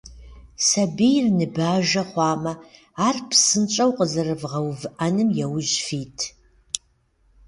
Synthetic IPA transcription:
sɐbijrnɨbaːʒɐχʷɑːmɐ | aːrpʰsɨnt͡ʃʼɐwqəzɨrɨvʁɐwvɨʔɐnɨmjɛwʒfiːtʰ

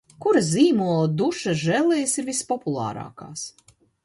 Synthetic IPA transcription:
kuɾaziːmuɔlˠad̪uʃaʒɛlˠɛjsiɾvispɔpulˠɑ̰ːɾɑ̰ːka̰ːs

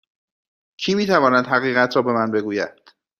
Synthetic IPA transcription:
cʰiːmiːt̪ʰævɒːnæd̪ɦæɣiːɣæt̪ʰɾɒːbe̞mænbe̞ɡuːjæ̰d̪̥

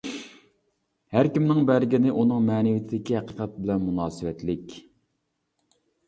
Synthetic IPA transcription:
hæɾkʲimnɪŋbæɾɡʲinɪʔunɨŋmɛːnɪwit̪ʰɪd̪ɪkʲihæqəqʰɛt̪̚bɪlɛnmunɑːsɨwɛt̪lɪkʲ

